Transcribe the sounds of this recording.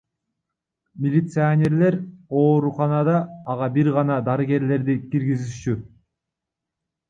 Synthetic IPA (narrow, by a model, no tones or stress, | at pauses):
mʲɪlʲit̪sɨanʲe̞ɾle̞ɾo̞ːɾuqɑnɑd̪ɑːʁɑbiɾʁɑnɑd̪ɑɾɨɡe̞ɾle̞ɾd̪ikiɾɡiziʃt͡ʃy